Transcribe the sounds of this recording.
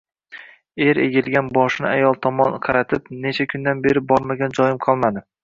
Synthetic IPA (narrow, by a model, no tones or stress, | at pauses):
e̞ɾḛɡʲɪlˠɡʲanbɒʃɪnɪ̰ajɒlˠt̪ʰɒmɒnqʰɑɾat̪ʰɪpne̞t͡ʃʰakʲʰʊnd̪anbe̞ɾɪbɒɾmaɡʲand͡ʒɒjɪmqʰɒlˠmad̪ɪ